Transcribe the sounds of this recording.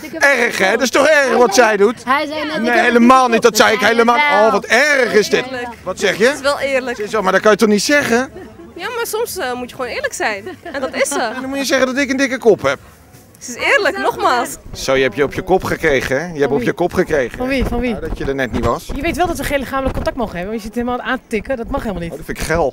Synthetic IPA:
ɛrəχɛdɪstɔχɛɹrəχʋɑtsɛjdutneɦejləmaːlˠnit̚dɔtsɛjɪkɦejləmaːoʋɑtɛɹrəχɪsdɪtkʋɑtsɛχjəsʋɛlˠɪːɹləksɪsɛmaɹdɔt̚kɑnjətɔχnitsɛχə | jaːmaːɹsɔmsmutjəχʋoːnɪːɹləksɛjnɛndɔtɪsəɛdɔnmutjəzɛχəndɔtɪkəndɪkəkɔpɦɛp̚ | tɪsɪːɹləknɔχmaːlˠssowjəɛpjəɔpjəkɔpχəkrejχəɛjəɛppɔpjəkɔpχəkrejχəɔnʋifɔnʋidɔtjədənɛtniʋɑsjəʋejtʋɛlˠdɔtʋəχẽːnlɪχaːmələkːɔntɑk̚tmowχənɦɛbəʋɔjəsitɦelˠmalaːntətɪkədɔtmɑχelˠmlˠnitdfɪnɪkχɛlˠ

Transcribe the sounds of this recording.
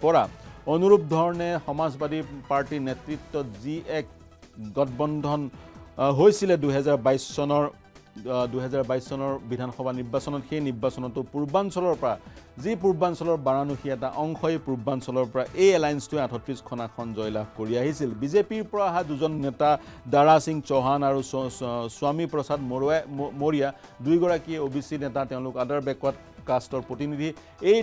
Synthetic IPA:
pɔɹaonuɹup̚dʱɔɹɔnɛxɔmazbadipaɹtinɛtɹitːɔtziʔɛk̚ | ɡɔt̚ʰbɔndʱɔn | ɦojsilɛduɦɛzaɹbajssɔnɔɹ | dujɦɛzaɹbajsːɔnɔɹbidʱanxɔbʱaniɹbasɔnɔtxejniɹbasɔnɔtːʊpuɹbansɔlɔɹpɔɹazipuɹbansɔlɔɹbaɹanuxiɛtaʔɔŋxɔepuɹbansɔlɔɹpɔɹaʔejɛlajnstʊɛatʰɔtɹiskʰɔnakʰɔnzɔjlabkoɹiaɦisilbizepiɹpɔɹaɦaduzɔnːɛtadaɹasiŋt͡ʃɔɦanaɹusʊamipɹɔsadmmoɹija | dujɡɔɹakiɛobʱisinɛtatɛʊ̃lʊkadaɹbɛkwat̚ | kastɔɹpɹotinidʱi | ej

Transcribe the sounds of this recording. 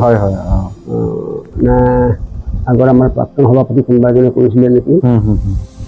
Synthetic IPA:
ɦɔjɦɔjɔ̰ | naj | aɡɔɹamaɹpɹa̰k̚tɔnɦɔbʱapɔt̬ikunbajzɔnɛko̰ɹis̬ilɛnekiɦɦ

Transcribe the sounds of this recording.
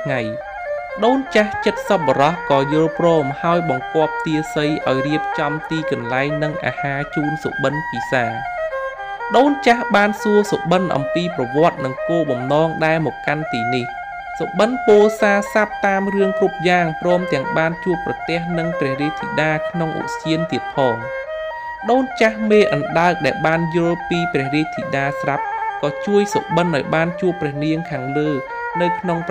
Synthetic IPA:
tʰŋaj | ɗoːnt͡ɕaht͡ɕət̪̚səp̚ɓɔɾɑhkɑːjoːlprɔːmhaɔjɓɑŋkŏəp̚t̪iəsəjʔa̰ɔjriəp̚t͡ɕɑmt̪iːkɑnlaɛŋnɨŋʔa̰ːhaːt͡ɕuːnso̰ʔɓənpiːsaːŋ | ɗoːnt͡ɕahɓaːnsuəsoʔɓənʔɑ̰mpiːprɑʋŏət̪̚nɨŋkoːɓɑmnɑːŋɗaɛlmɔːkːant̪iːnih | soʔɓənpoːlsaːsap̚t̪aːmrɨəŋkrup̚jaːŋprɔːmt̪ɛ̆əŋɓaːnt͡ɕuəprɑt̪ɛ̆əhnɨŋprɛ̆əhriəc̚t̪ʰːiɗaːkʰnoŋʔṵʔsiənt̪iət̪̚pʰɑːŋ | ɗoːnt͡ɕahmeːʔɑnɗaək̚ɗaɛlɓaːnjʊ̆lpiːprɛ̆əhriəct̪ʰiɗaːsrap̚kɑːt͡ɕuəjso̰ʔɓənʔaɔjɓaːnt͡ɕuəpːrɛ̆əhniəŋkʰaːŋləː | nɨwkʰnoŋp

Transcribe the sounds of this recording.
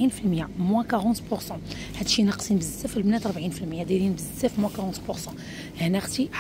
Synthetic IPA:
infilmjamwækaʁɑ̃t̪pʊɾsɑ̃ | hæd̪ʃinɑqsinbəzsæfəlbnæt̪ɾˤbʕinfilmjæd̪ælinbəzsæfmwækaʁɑ̃t̪pʊɾsɑ̃ | hænæxt̪i

